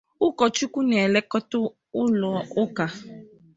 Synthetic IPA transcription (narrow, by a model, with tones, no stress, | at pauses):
ʊ˦kɔ˨t͡ʃu˦ku˦nɛ˨lɛ˦kɔ˦tʊ˦ | ʊ˦lʊ˨ɔ˦ʊ˦ka˨